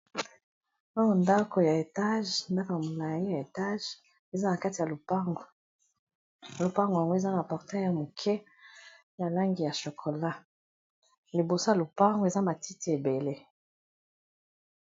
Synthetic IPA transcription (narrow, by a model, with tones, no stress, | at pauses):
ɔ˦ŋo˨nda˦ko˨ja˨e˨ta˦ʒnda˦ko˨ja˨mo˨la˨ji˦ja˨e˨ta˦ʒ | e˨za˦na˨ka˦ti˨ja˨lo˨pa˦ɡo˨ | lo˨pa˦ŋɡja˨ŋɡo˦e˨za˦na˨pɔ˨ʁtɛ˦a˨mo˨kʰɛ˦ | ja˨la˦ŋɡi˨ja˨ʃo˨kʰo˨la˦ | li˨bo˨so˦ja˨lo˨pa˦ŋɡo˦e˨za˦ma˨ti˦ti˨˦e˨be˨le˦